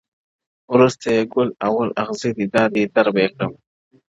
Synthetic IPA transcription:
wɾust̪ajeɡʊlawalaxzid̪id̪ɑːd̪id̪aɾbekɽəm

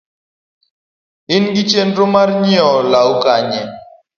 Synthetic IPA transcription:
inɡit͡ʃenɾomaɾɲiɔlaukaɲɛ

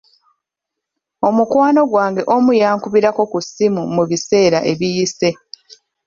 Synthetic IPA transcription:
o̞mukwaːno̞ɡwaːŋɡe̞ʔo̞mujaːŋkuβiɾako̞kusimumuβise̞ːɾaʔe̞βijise̞

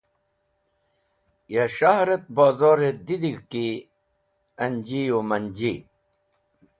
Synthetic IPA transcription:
jaɕaɦɾet̪̚baːzoːɾed̪id̪iɡki | ɐnd͡ʑijomɐnd͡ʑi

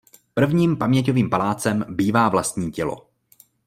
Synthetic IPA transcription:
pr̩vɲiːmpamɲɛcoviːmpalaːt͡sɛmbiːvaːvlast̪ɲiːcɛlo̰

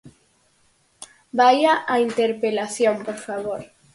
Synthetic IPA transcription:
bajaʔaint̪eɾpelaθjõmpoɾfaβ̞oɾ

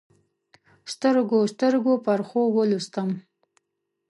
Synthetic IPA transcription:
st̪əɾɡost̪əɾɡopaɾχowəlust̪əm

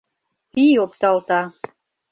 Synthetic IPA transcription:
piopt̪ɑlˠt̪ɑ

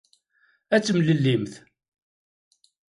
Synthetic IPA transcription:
æt͡sːmləlːimθ

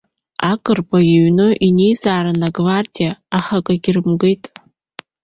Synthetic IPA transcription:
akʼɨrpʰʼajeɥnɨʔinejzaːɾɨnaɡvardʲijaːχakʼaɡʲɪrɨmɡejtʼ

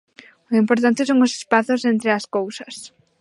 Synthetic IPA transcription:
ʊimpoɾt̪̬ant̪ɪsoŋʊse̥spaθʊsent̪ɾɪaskowsɐs

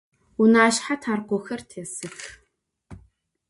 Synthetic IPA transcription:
unaːʃħatʰaːrqʷɔxɐrtʰeːsɨx

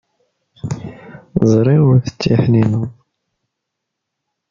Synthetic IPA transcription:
zˤɾˤiʊɾθə̥t͡sːiħninu

